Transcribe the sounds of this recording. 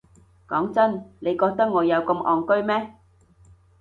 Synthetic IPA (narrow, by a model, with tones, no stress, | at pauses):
kɔː˨˥ŋt͡sɐ˥nne˨˧jkɔː˧k̚t̪ɐ˥k̚ŋɔː˨˧jɐ˨˧wkɐ˧mʔɔː˨ŋkɵ˥ɥmɛː˥